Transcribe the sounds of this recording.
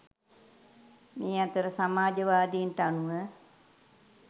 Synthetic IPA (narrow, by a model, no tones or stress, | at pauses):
meːat̪əɾəsamaːd͡ʒəʋaːd̪inʈəanuʋə